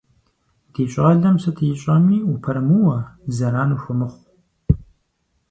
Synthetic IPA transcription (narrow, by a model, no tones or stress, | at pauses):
d̥eːɕʼaːɮɐmsɐtʰɨjɪɕʼɐmiːupʰɐɾɐmuwɐzɐɾaːnuːxʷʊmɨχʷ